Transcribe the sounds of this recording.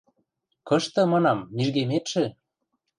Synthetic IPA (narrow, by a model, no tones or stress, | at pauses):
kɤ̆ʃt̪ɤ̆mɑnɑmːiʒɡemet̪ʃĕ